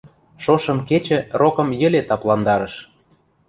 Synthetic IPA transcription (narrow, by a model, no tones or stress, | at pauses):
ʃoʃɤ̆mket͡ɕə̆rʔokɤ̆mjə̆let̪ɑplɑnd̪ɑɾɤ̆ʃ